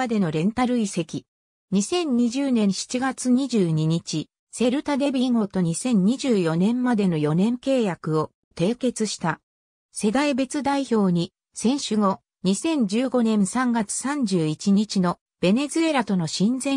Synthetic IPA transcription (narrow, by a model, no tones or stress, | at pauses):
ad̪e̞no̞ɾẽ̞nt̪aɾɯ̟ise̞kʲi | ɲ̟isẽ̞ɲ̟ɲːiʑɨːnẽ̞ɰ̃ɕi̥t͡ɕiɡat͡sɨɲ̟iʑɨːɲ̟iɲ̟it͡ɕi | se̞ɾɯ̟t̪ad̪e̞bʲiŋo̞ːt̪o̞ɲ̟isẽ̞ɲ̟ɲiʑɨːjo̞nẽ̞mmad̪e̞no̞jo̞nẽ̞ŋke̞ːjakɯ̟o̞ | t̪e̞ːke̞t͡sɨɕi̥t̪a | se̞d̪aibe̞t͡sɨd̪aiço̞ːɲ̟i | sẽ̞ɰ̃ɕɨŋo̞ | ɲ̟isẽ̞ɲ̟d͡ʑɨːɡo̞nẽ̞ɰ̃sãŋɡat͡sɨ̥sãɲ̟d͡ʑɨːit͡ɕiɲ̟it͡ɕino̞ | b̥e̞ne̞zɨe̞ɾat̪o̞no̞ɕĩnd͡zẽ